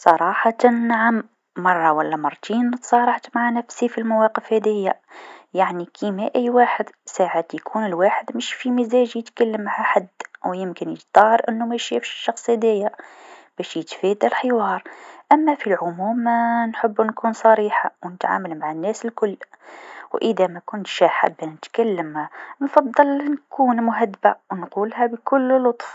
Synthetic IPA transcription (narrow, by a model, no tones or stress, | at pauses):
sˤɑɾˤɑħɑt̪anːʕam | mɑrˤːɑwælːæmɑɾˤt̪inːət̪sˤɑɾˤɑʕt̪maʕanæfsifilmawɑqəfhæd̪əjːa | jaʕnikʰimæʔæjːwaːħəd̪saʕat̪jkʰunəlwaħəd̪məʃfimizæʒjət̪kælːəmːaʕaħad̪wjəmkənjə̰d͡ʒd̪̥ɑhɾˤʔənːumæjʃæfʃə̥ʃːɑxsˤhæd̪əjːab̥æʃjət̪fæd̪alħəwɑːɾˤʔæmːæfilʕʊmuːmːænħəbːnkuːnsˤɑɾiːħawnət̪ʕa̰ːməlmaʕanːæsəlkʊlːwʔəd̪æmækʊnt̪ʃaħa̰bːanət̪kælːəmhanfɑd̪ˤːɑlnkʰuːnmʊɦæd̪ːbawnquːlɦæbkʊlːlʊt̪ˤf